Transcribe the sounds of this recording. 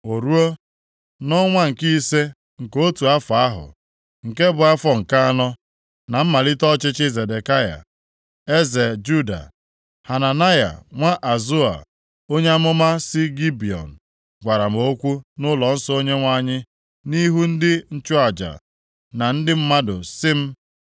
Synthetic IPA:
o˨ɾu˦o˦ | nɔ˦ŋʷa˦ŋ̩˨ki˦i˦se˦ | ŋ̩˨ko˦tu˨a˦fa˨a˦ɦʊ̰˨ | ŋ̩˨ke˦bʊ˨a˦fɔ˨ŋ̩˨ka˦a˦nɔ˦ | na˨m̩˦ma˨li˦tɔ˦t͡ʃɪ˦t͡ʃɪ˦ze˨de˨ka˦ja̰˨ | e˦ze˨d͡ʒu˦da̰˨ | ha˨na˨na˦ja̰˨ŋʷa˦ʔa˨zu˦a̰˨ | o˦ɲe˦a˦mʊ˦ma˦sɪ˦ɡi˦bi˨ɔ̰˨n̩˨ | ɡʷa˨ɾa˨m̩˨o˦kʷu˦nʊ˦lɔ˨n̩˦sɔ˦o˦ɲe˦ŋʷa˦ɲɪ˦ | ni˦ɦu˦n̩˦dɪ˦n̩˦t͡ʃʊ˦a˨d͡ʒa̰˨ | na˨n̩˦dɪ˦m̩˦ma˦dʊ̰˨sɪ˦m̩˦

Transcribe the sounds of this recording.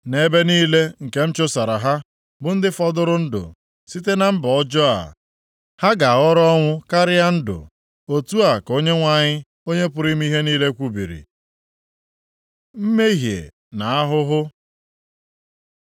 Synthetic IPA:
ne˨be˦niː˦le˦ŋ̩˨ke˦m̩˦t͡ʃʊ˦sa˨ɾa˨ɦa˦ | bʊ˨n̩˦dɪ˦fɔ˦dʊ˦ɾʊ˦n̩˦dʊ̰˨ | si˦t̬e˦na˨m̩˦bɔ˨ɔ˦d͡ʒɔ˦a̰˨ | ha˦ɡa˨a˨ɣɔ˦ɾɔ˦ŋʷʊ˦ka˦ɾɪ˦a˦n̩˦dʊ̰˨ | o˦tu˦a˨ko˦ɲe˦ŋʷa˦˨ɲɪ˦ | o˦ɲe˦pʊ˨ɾi˦m̩˦i˦ɦe˦niː˦le˦kʷu˦bḭ˨ɾḭ˨ | m̩˦me˦ɦjḛ˨ | na˨a˦ɦʊ˦ɦʊ˦

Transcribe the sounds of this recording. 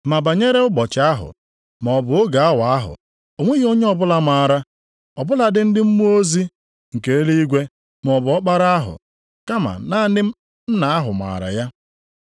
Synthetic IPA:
ma˨ba˨ɲe˦ɾe˦ʊ˦bɔ˨t͡ʃɪ˨˦a˦ɦʊ̰˨ | m˨ɔ˨bʊ˨o˦ɡa˨a˦wa˨a˦ɦʊ̰˨ | o˨ŋʷe˦ɣi˦o˦ɲe˦ɔ˦bʊ˦la˨ma˨ɾa˦ | ɔ˨bʊ˦la˨dɪ˨n̩˦dɪ˦m̩˦mu˦o˦zi˦ | ŋ̩˨ke˨e˦li˦i˦ɡʷe˦ | m˨ɔ˨bʊ˨˦ɔ˦k͡pa˦ɾa˦a˦ɦʊ̰˨ | ka˦ma̰˨na˦nɪ˦ | m̩˦na˨a˦ɦʊ̰˨ma̰ː˨ɾa̰˨ja˦

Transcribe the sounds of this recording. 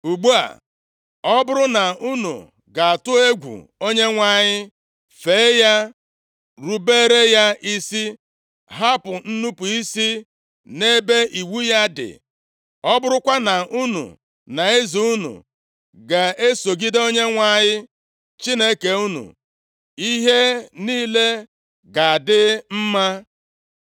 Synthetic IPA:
u˨ɡ͡bu˦a̰˨ | ɔ˦bʊ˦ɾʊ˦na˨u˦nṵ˨ | ɡa˨a˨tʊ˦e˦ɡʷṵ˨o˦ɲe˦ŋʷa˨˦˨ɲɪ˦ | fe˨˦ja˦ | ɾu˦be˦ɾe˦ja˦i˦si˦ | ɦa˦pʊ˨n̩˦nu˦pu˨i˦si˦ | ne˦be˦ʔi˨wu˦ja˦dɪ̰˨ | ɔ˦bʊ˦ɾʊ˦kʷa˦na˨ʔu˦nṵ˨ | na˨e˦zi˨u˦nṵ˨ | ɡa˨e˦so˨ɡi˦do˦ɲe˦ŋʷa˨ɲɪ˦ | t͡ʃi˦ne˦ke˨u˦nṵ˨ | i˦ɦe˦niː˦le˦ | ɡa˨a˨dɪ˦m̩˦ma˦

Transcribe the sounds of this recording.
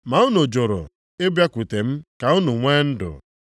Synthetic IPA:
ma˨˦ʊ˦no˨d͡ʒo˨ɾo̰˨ | ɪ˦bja˦kʷu˨te˨m̩˦ka˨ʊ˦nʊ˨ŋʷe˦n̩˦dʊ̰˨

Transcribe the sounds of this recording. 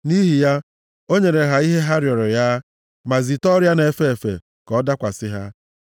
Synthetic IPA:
ni˦ɦi˨ja˦ | o˦ɲe˨ɾe˨ɦa˨i˦ɦe˦ɦa˦ɾjɔ˨ɾɔ˨ja˦ | ma˨zi˨tɔ˦ɾja˦ne˨fe˦e˨fḛ˨ | kɔ˦da˦kʷa˨sɪ˦ɦa˦

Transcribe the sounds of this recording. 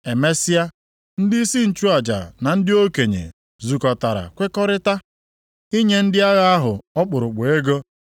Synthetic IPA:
e˨me˦si˦a˦ | n̩˦dɪ˦i˦si˦n̩˨t͡ʃu˦a˨d͡ʒa̰˨na˨n̩˦dɪ˦o˦ke˨ɲḛ˨ | zu˨kɔ˨ta˨ɾa̰˨kʷe˦kɔ˦ɾɪ˦ta˦ | i˦ɲe˦n̩˦dɪ˦a˦ɣa˦a˦ɦʊ˨ɔ˦k͡pʊ˨ɾʊ˨k͡pʊ˨e˦ɡo˦

